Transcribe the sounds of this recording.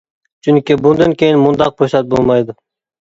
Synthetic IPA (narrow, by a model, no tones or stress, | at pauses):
t͡ʃʰyŋkʲibʊnd̪ɑnkʲejɪnmʊnd̪ɑq̚bʰosɑt̪̚bolˠmɑjd̪ʊ